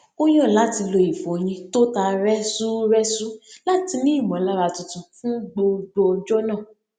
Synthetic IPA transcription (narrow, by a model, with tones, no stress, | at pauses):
o˦j̃ɔ̃˦˨la˨˦ti˧lo˧i˨fo˨˧j̃ĩ˧to˦ta˧ɾɛ˦su˦ɾɛ˦su˦la˦ti˧nĩ˦i˦˨mɔ̃˨˦la˦ɾa˧˨tũ˧tũ˧fũ˦ɡ͡bo˧ɡ͡bo˧ɔ˧d͡ʒɔ˦nãː˦˨